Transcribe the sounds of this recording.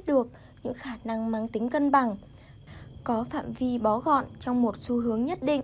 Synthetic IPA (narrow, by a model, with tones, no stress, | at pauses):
t̚ɗɨ˨˩ək̚ | ɲɨ̰˧˥ŋxaː˧˩na˧ŋmaː˨˧˩ŋt̪i˨˦ŋ̟kə˧nɓa˨˩ŋ | kɔ˨˦fa̰ː˧˨mvi˧ɓɔ˨˦ɣɔ̰˧˨nt͡ɕɔ˧wŋ͡mmo˨˩t̚su˧ɦɨ˨˦əŋɲə˦˥t̚ɗḭ̈˧˨ŋ